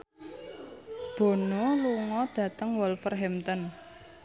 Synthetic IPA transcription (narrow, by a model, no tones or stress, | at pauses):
b̥o̤noluŋɔd̪̥ä̤t̪əŋwɔlfərɦɛmt̪ən